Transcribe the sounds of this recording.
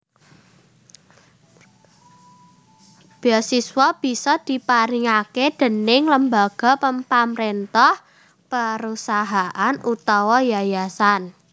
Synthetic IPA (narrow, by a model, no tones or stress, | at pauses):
b̥ɔsiswɔb̥i̤sɔd̪̥i̤paɾiŋaked̪̥ə̤nɪŋləmbaɡ̥ɔ̤pəmpamɾent̪ɔh | pəɾusaɦaʔanut̪ɔwɔjajasan